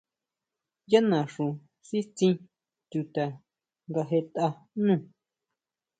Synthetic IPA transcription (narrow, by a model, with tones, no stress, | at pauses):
ja˦nã˨ʂũ˨ | si˦t͡sĩ˧ | t̪u˧t̪a˨ | ŋɡa˧ɦe˧t̪a˧ | nũ˦˨